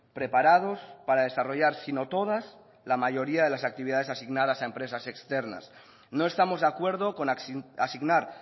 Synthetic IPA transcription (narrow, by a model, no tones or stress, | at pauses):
pɾe̞paɾað̞o̞spaɾað̞e̞saro̞ʝaɾsino̞t̪o̞ð̞as | lamaʝo̞ɾiað̞e̞lasak̚t̪iβiðaðe̞sasiɣnað̞asaempɾe̞sasekst̪e̞ɾna̰s | no̞e̞st̪amo̞zðeakwe̞ɾðokonasiɣnaɾ